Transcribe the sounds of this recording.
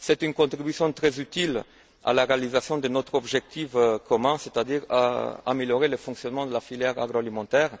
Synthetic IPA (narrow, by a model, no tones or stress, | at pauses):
sɛt̪ynkɔ̃t̪χibysjɔ̃t̪χɛzyt̪il | a̰laʁealizasjɔ̃d̪ənot̪χɔbʒɛk̚t̪ifkɔmɛ̃set̪ad̪iʁa̰ameljɔʁeləfɔ̃ŋksjɔnmɑ̃d̪əlafiljɛʁaɡʁoalimɑ̃t̪ɛʁ